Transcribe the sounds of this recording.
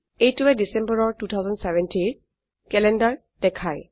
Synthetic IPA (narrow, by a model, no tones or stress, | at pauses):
etuwɛdisɛ̃mbəɹɔɹtut̪ʰawzɔ̃ndsɛvɛ̃ntʰin | kɛlɛndaɹ | d̥ɛkʰaj